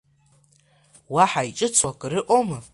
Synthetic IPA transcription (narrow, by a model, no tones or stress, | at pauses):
waħait͡ʃʼɨt͡sʰwakʼɨɾɨʔʷʼomɨ